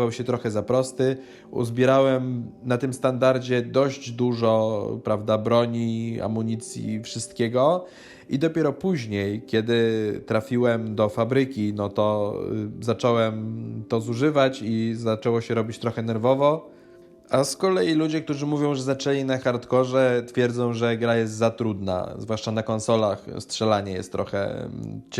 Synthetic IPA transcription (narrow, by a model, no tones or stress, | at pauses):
awɕɛt̪ɾɔxɛzapɾɔst̪ɘ | ṵzbʲjɛɾawɛmnat̪ɘmst̪and̪aɾd͡ʑɛd̪ɔʑd͡ʑd̪uʐɔpɾavd̪abɾɔɲia̰muɲit̪sʲjḭfʂɘst̪kʲɛɡɔ | id̪ɔpʲjɛɾɔpuʑɲejkʲɛd̪ɘt̪ɾafʲiwɛmd̪ɔfabɾɘkʲinɔt̪ɔ | zat͡ʂɔwɛmt̪ɔzuʐɘvat͡ɕizat͡ʂɛwɔɕɛɾɔbʲit͡ɕt̪ɾɔxɛnɛɾvɔvɔ | askɔlɛjilud͡ʑɛk̚t̪uʐɘmuvʲjɔ̃w̃ʐɛzat͡ʂɛlʲinaxaɾt̪kɔʐɛt̪fʲjɛɾd̪zɔ̃w̃ʐɛɡɾajɛst̪zat̪ɾud̪na̰zvwaʂt͡ʂanakɔnsɔlaxstʂɛlaɲɛjɛ̰st̪ːɾɔxɛ̰t͡ɕ